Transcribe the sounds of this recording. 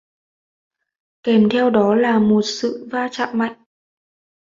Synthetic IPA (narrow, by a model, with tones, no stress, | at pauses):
kɛ˨˩mt̪ʰɛ˧wɗɔ˨˦laː˨˩mo˨˩t̚sɨ̰˧˨vaː˧t͡ɕa̰ː˧˨mma̰˧˨jŋ